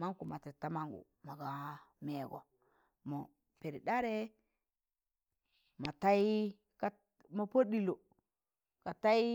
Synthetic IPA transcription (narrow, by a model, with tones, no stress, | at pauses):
ma˦ŋku˨ma˨ti˨ta˦ma˦ŋɡṵ˨ | ma˨ɡa˨me˨ɡo̰˨ | mo˨ | pe˨ɾi˨ɗa˦ɾe˦ | ma˨ta˦i˦ | ka˦ | ma˨po˦ɗi˨lo˨ | ka˨ta˦i˦